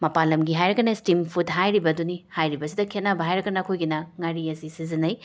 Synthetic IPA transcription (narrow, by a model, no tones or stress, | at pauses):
mɐpalɐmɡiɦajɾɐkɐnɐstimpʰudɦajɾibɐdunihajɾibɐsidɐkʰet̚nabɐɦajɾɐkːɐnɐkʰojɡinɐŋaɾiɐsisizinɐj